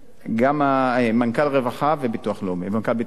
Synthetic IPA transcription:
ɡamamankalʁevaχavebituaχlomemankalbit

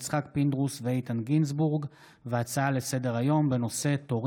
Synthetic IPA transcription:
t͡sχakpind̪ʁusveejt̪anɡinsbuʁɡ | veat͡saalese̞de̞ʁajo̞mbe̞no̞se̞to̞ʁ

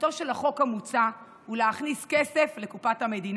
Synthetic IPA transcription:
toʃelaχo̞khamut͡sa | huleaχniskese̞flekupatame̞din

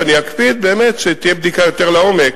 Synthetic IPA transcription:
aniakpid̪̚be̞ːmet̪ʃet̪ijebd̪ikajo̞t̪eʁlao̞mek

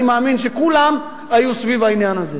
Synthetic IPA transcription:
imaːminʃekulam | ajusvivainjanaze

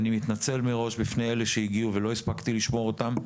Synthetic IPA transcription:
nimit̪nat͡se̞lmeʁo̞ʃbifnejeleʃeiɡiuve̞lo̞ispakt̪iliʃmo̞ʁot̪am

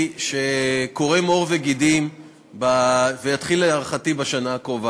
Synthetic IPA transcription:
ʃe̞ko̞ʁemo̞ʁveɡidim | bavejat̪χileaʁaχatibaʃanakova

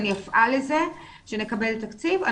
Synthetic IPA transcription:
nijafʔaleze | ʃene̞kabe̞lt̪akt͡siva̰

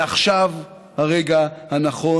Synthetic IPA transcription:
aχʃav | haʁeɡahanaχo

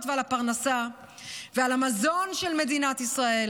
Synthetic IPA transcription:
t̪vealapaʁnasa | vealamazo̞nʃelme̞d̪inat̪isʁae̞l

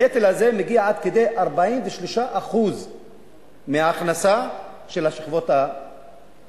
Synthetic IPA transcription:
et̪elaze̞meɡiaad̪ked̪e̞jʔaʁbaimveʃliʃaʔaχuz | meaːχnasa | ʃe̞laʃiχvo̞ta

